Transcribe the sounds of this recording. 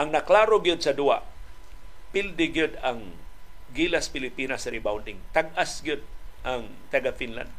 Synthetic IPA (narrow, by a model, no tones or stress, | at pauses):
ʔaŋnaklaɾoɡiʊd̪̚sadua̰ʔ | pɪld̪ɪɡiʊd̪aŋɡilaspɪlipinasɾibawndɪŋt̪aɡasɡiʊd̪̚ʔaŋ | t̪aɡafinla̰nd̪̚